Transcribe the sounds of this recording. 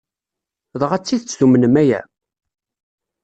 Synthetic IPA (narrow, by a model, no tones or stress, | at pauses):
ðˤəʁæt͡sːiðət͡sːθumənəmæjæ̰